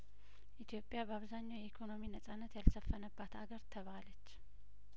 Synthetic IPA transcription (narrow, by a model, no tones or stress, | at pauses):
ʔit̪ʰjo̞pʼjabəaβzaɲːawjɛikʰo̞no̞minəsʼanːət̪jalsəfːənəbːat̪aɡəɾt̪ʰəβalət͡ʃː